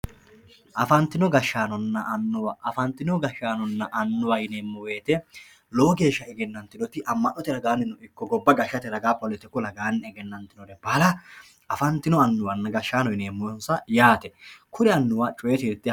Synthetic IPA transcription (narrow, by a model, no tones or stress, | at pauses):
ʔɐfɐnt̪ːɪnɔɡɐʃːaːnɔnːɐʔɐnːʊwɐʔɐfɐnt̪ːɪnɔɡɐʃːaːnɔnːɐʔɐnːʊwɐjneːmːɔwe̞ːt̪ɛ | loːɡe̞ːʃːɐɛɡɛnːɐnt̪ːɪnɔt̪ɪʔɐmːɐnːɔt̪ɪɾɐɡaːnːɪnɔɪkːɔɡɔbːɐɡɐʃːɐt̪ɛɾɐɡaːpːɐlɛt̪ːɛkʊlɐɡaːnːɛɛɡɛnːɐnt̪ːɪnɔd̪ɛbɐlɐ | ɐfɐnt̪ːɪnɔɐnːʊwɐnːɐɡɐʃːaːnɔjneːmːɔjɔnsɐjaːt̪ɛkʰʊɾɛɐnːʊwaːt͡ʃʼʊwɛt̪ɪɾɪt̪ːɪ